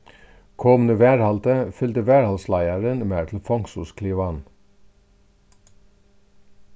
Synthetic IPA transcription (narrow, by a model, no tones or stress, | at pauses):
kʰɔmnəʋæːɹhɑlt̪əfʏlt̪əʋæːɹhɑlslæɪəɹənmeːtʰl̩fɔŋsʊskʰliːʋɑn